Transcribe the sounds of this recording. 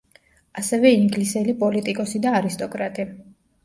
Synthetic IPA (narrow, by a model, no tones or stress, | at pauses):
asɛvɛiŋɡlisɛlipʼɔlit̪ʼikʼɔsid̪aːɾist̪ʼɔkʼɾat̪ʼi